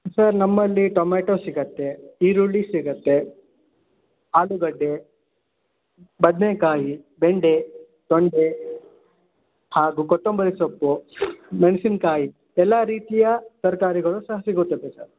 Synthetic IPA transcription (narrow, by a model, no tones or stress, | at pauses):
sɐɾnɐmːɐlːiʈɔmeːʈoːsiɡɐt̪ːeiːɾuɭisiɡɐt̪ːe | aːluɡɐɖːe | bɐd̪nekaːjibeɳɖe | t̪oɳɖe | haːɡukɔʈːombɐɾesɐpːumeɳsinkaːji | ɛlːaɾiːt̪ijɐsɐɾkaːɾiɡɐɭusɐɦɐsiɡuɾt̪ːɐt̪ːesɐ̰ɾ